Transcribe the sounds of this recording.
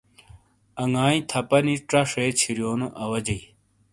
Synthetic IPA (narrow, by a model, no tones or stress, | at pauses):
ɐŋaːĩt̪ʰɐpɐniʈ͡ʂɐʂeːt͡ɕʰiɾjoːnoʔɐwɐd͡ʑɐj